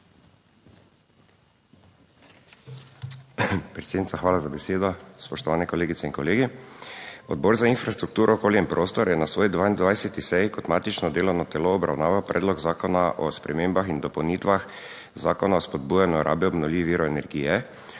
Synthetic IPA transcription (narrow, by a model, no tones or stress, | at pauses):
pɾɛt̪sed̪nit̪t͡ssaxʋaːlazabɛseːd̪ɔspɔʃt̪ɔʋaːnɛkɔleːɡit̪ɛinkɔleːɡi | ɔ̰d̪̚bɔːɾzainfɾast̪ɾuk̚t̪uːɾʔɔkoːliimpɾoːst̪ɔɾjɛnasʋoːjd̪ʋaːind̪ʋajsɛt̪isɛjkɔt̪maːt̪it͡ʃnɔd̪eːlɔnat̪ɛloːbɾa̰wnaːʋawpɾʔɛ̰ːd̪lɔɡzaːkɔnaʔɔ̰spɾɛ̰meːmbaxind̪ɔpɔwniːt̪ʋax | zaːkɔnaɔspɔd̪̚buːjanɔɔɾʔa̰ːbjiɔbnɔwliːʋiʋiːɾɔenɛɾɡiːjɛ